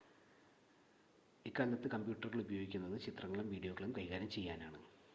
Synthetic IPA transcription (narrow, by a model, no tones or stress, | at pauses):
ikːaːllɐt̪ːɨkɐmbjuːʈːɐrɣɐɭubɐjo̞ːɡikʲːunːɐðɨt͡ɕit̪rɐŋːɐɭumʋiːɖijo̞ːɣɐɭumkɐjɣaːɾɐmt͡ɕe̞jːaːnaːɳɨ